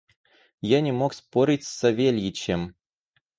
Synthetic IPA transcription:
janʲɪmokspoɾʲɪtʲsʲɐvʲelʲjɪt͡ɕem

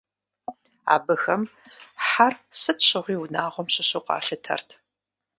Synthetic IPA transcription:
a̰ːbɨxɐmħarsɨtʰɕɨʁʷiːʊnaːʁʷɔmɕɪɕoqʷɑ̰ːɬɨtʰɐ̰rtʰ

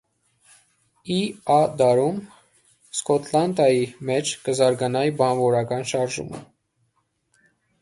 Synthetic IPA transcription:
iɑd̪ɑɾum | skɔt̪ʰlɑnd̪ɑjimɛt͡ʃʰkəzɑɾɡɑnɑjibɑnvɔɾɑkɑnʃɑɾʒṵmə̰

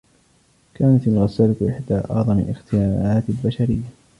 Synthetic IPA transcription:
kaːnat̪alɣasːalaʔɪħd̪aːʔɑ̰ʕðˤɑmɪlʔɪxt̪ɪjaːnʔaːt̪ɪlbaʃaɾɪjːa

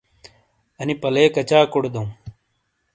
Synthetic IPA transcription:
ɐnipɐleːkɐt͡ɕaːkoɽd̪ɐũ

